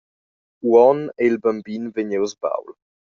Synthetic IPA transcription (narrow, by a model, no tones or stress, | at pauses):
uɔneilbambinveɲewzba̰wl